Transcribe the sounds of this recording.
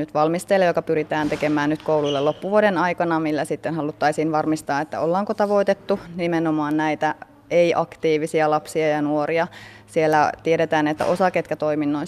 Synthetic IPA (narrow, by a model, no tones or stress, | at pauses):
nyt̪ʋɑlmist̪elːejokɑpyɾit̪æːnt̪ekemæːnnyt̪koululːelopːuʋuodenɑikɑnɑmilːæsit̪ːenhɦɑlut̪ːɑisiːnʋɑrmist̪ɑːet̪ːæ̰olːɑːŋkot̪ɑʋo̞it̪et̪ːunimenomɑːnnæit̪æ | eiʔɑkt̪iːʋisiɑlɑpsiɑjɑnuoɾiɑ | sielːæt̪ieɾet̪æːnet̪ːæ̰ʔosɑket̪kæt̪o̞iminːoin